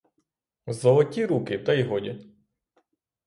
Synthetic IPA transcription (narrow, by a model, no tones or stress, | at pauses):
zɔlˠɔtʲiɾukɪt̪ɐiɦɔdʲi